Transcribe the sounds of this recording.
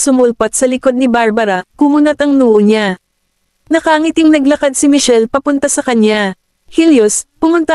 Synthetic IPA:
sʊmʊlpɐt̪̚sɐlɪko̞d̪̚nɪbaɹbɐɾɐkʊmunɐt̪ɐŋnuːʔoɲa | nɐkaːŋɪt̪ɪŋnɐɡlɐkad̪̚sɪmɪʃɛlpɐpʊnt̪ɐsɐkɐɲa | hiljospʊmʊnt̪a

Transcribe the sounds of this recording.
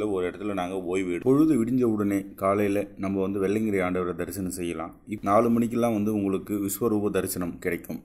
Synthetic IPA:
lɐɔɾɯɪɽɐt̪ːɪlnaːŋɡɐoːjʋeːɽɯpɔɻɯðɐʋɪɽɪɲd͡ʒɐʋɯɽɐneːkaːlɐjɪlɐnɐmːɐʋɐnd̪ɯʋɛɭːɐŋɡɪɾɐjaːɳɖɐʋɐɾɐd̪ɐɾɪsɐnɐmsɛjːɐlã̰ː | ɪnaːlɯmɐɳɪk̬ʲːɛlːãːʋɐnd̪ɯʊŋɡɐɭɯkːɯʋɪsʋɐɾuːbɐd̪ɐɾɪsɐnɐmkɪɽɐɪkːɯm

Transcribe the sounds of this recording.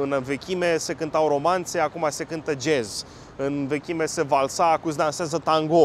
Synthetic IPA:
ɨnve̞kʲimese̞kɨnt̪awɾo̞mant̪se̞akumase̞kɨnt̪əd͡ʒe̞z | ɨnve̞kʲime̞se̞valsaːkuzd̪anseazət̪aŋɡo

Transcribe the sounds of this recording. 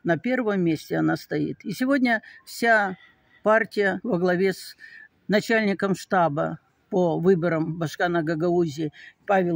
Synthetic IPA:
nɐpʲe̞rvəmːʲesʲtʲɪɐnast̪ɐḭt̪isʲɪvodʲnʲəfsʲa | partʲɪjəvəɡlˠɐvʲes | nɐt͡ɕælʲnʲɪkəmʂt̪abə̰ | povɨbəɾəmbɐʂkanəɡɐɡɐuzʲɪpavʲɪ

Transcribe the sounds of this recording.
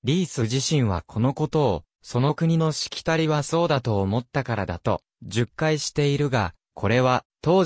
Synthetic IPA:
ɾʲiːsɨʑiɕĩɰ̃βa̰kʰo̞no̞ko̞t̪o̞ː | so̞no̞kɯ̟ɲ̟ino̞ɕi̥kʲi̥t̪aɾʲiβaso̞ːd̪at̪o̞ːmo̞t̪ːakaɾad̪a̰t̪o̞ | ʑɨkːaiɕi̥t̪e̞iɾɯ̟ɡa̰ | kʰo̞ɾe̞βat̪o̞ː

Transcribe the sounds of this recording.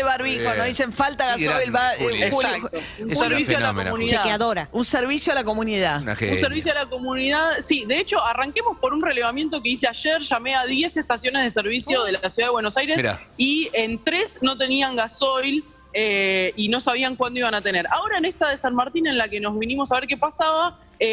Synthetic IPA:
eβaɾβionoðiseɱfalt̪aɣasojlβaakt̪o | seɾβisjoalako̰muniðeaaðoɾaunseɾβisjoalakomuniða̰ṵnseɾβis̬joalako̞muniðaðsiðe̞et͡ʃo̞araŋke̞mo̞spo̞ɾunreleβamje̞nt̪o̞ke̞iseaʃeɾʃame̞aðje̞seht̪asjo̞nezð̞e̞se̞ɾβ̞isjo̞ðelasjuðaðewenosajɾesa̰ient̪ɾesno̞t̪eniaŋɡaso̞jl | eino̞saβiaŋkwand̪oiβanat̪ene̞ɾʔaoɾaenest̪aðesanmaɾt̪inẽ̞nlake̞no̞zβinimosaβeɾkepasaβa | e

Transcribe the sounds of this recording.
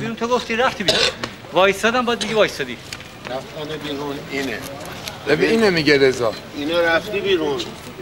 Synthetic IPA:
biːɾunt̪ʰoɡoft̪iɾæft̪ʰiːbiːɾun | vɒːjsɒːd̪æmbɒd̪meɡivɒːjsɒd̪ḭ | ɾæft̪ɒd̪ebiːɾuniːnebebiiːnemiɡeɾezɒːinɒːɾæft̪iːbiːɾun

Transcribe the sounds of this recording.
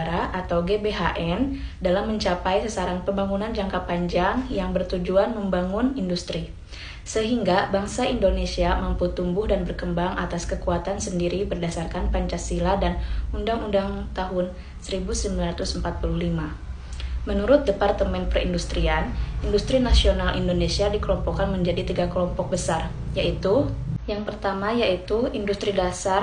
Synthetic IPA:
ɾaʔat̪awɡebeɦaʔɛndalamːəɲt͡ʃapajsəsaɾaŋpəmbaŋunand͡ʒaŋkapaɲd͡ʒaŋjaŋbərt̪ud͡ʒuanməmbaŋʊnindust̪ɾi | səɦiŋɡabaŋsaindonesiamamput̪umbʊhdanbərkəmbaŋʔat̪askəkuat̪ansəndiɾibərdasarkanpaɲt͡ʃasiladanundaŋundaŋt̪aɦʊn | səɾibusəmbilanrat̪usmpat̪̚puluhlima | mənuɾʊt̪̚dəpart̪əmɛnpɾəindust̪ɾianindust̪ɾinasionalʔḭndonesiadikəlɔmpɔkanməɲd͡ʒadit̪iɡakəlɔmpɔk̚bəsar | jaʔit̪ujaŋpərt̪amajait̪uindust̪ɾidasar

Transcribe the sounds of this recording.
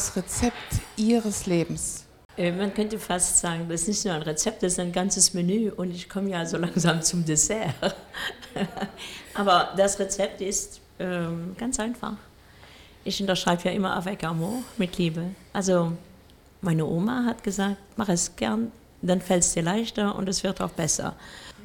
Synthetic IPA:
sʁet͡sɛp̚tʔiːʁəsleːbm̩s | ʔɛːmankʰœntəfastz̥aːɡŋ̩dasɪstnɪçtnuːɐaɪnʁet͡sɛp̚t̚d̥asɪ̥staɪnɡant͡səsmenyːʔʊntɪçkʰɔməjaːzoːlaŋzaːmt͡sʊmdesɛː | ʔaːbɐd̥asʁet͡sɛp̚tɪst | ʔɛːmɡ̥ant͡sʔaɪnfa̰χ | ʔɪçʊntɐʃʁ̥aɪbəjaːʔɪmɐʔa̰vɛkamoːmɪtʰliːbəʔalzo | maɪnəʔoːmaɦatɡ̥əzaːk̚tmaχɛsɡ̥ɛɐn | d̥anfɛlsd̥iːɐlaɪçtɐʊ̰ntɛsv̥ɪɐta̰ʊxb̥ɛsɐ̰

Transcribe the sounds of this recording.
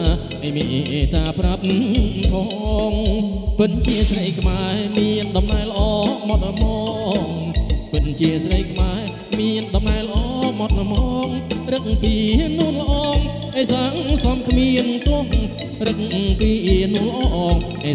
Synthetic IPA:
ʔəjmeʔʔeːt̪aːprap̚pʰɑ | ŋpɨt̪̚nt͡ɕiəsrəjkʰmaɛmiənɗɑmnaɛlə̆ʔɑːmɑt̪̚nəmɑːŋpɨt̪̚nt͡ɕiəsrəjkʰmaɛ | miənɗɑmnaɛləʔɑːmɑt̪̚ʔəmɔːŋrɨk̚piːnuənlə̆ʔɑːŋ | ʔeːsaːsɑmkʰmiənt̪ŏəh | rɨk̚ŋpiːʔinuənləʔɑːŋ | ʔeː

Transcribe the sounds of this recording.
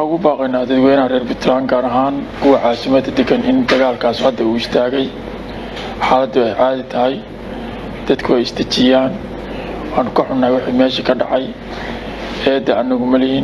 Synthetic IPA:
waʊɣʊbaːqɛjnaːd̪ɐd̪wɛːnɐrɛːrbʊt̪ʰlaːŋɡaːɾɐɦaːnkʰʊwɑʕaːsɪmɐd̪ɐd̪ɛɡɐnʔɪ̰nd̪ɐɣaːlkʰaːshɐd̪ɐuːɪst̪ʰaːɣɛj | ħaːlɐd̪ʊɛjʕaːðɪt̪ʰɐɦɛj | d̪̥ɐd̪kʰʊɛjɪst̪ʰɐt͡ʃɪjaːn | wɑːnʊkʰɐħʊnːaːjwɑħiːmɛːʃikʰɐɖɑ̰ʕɑj | ɛːd̪ɛʔɐnɐɣʊmɐlɪhiːn

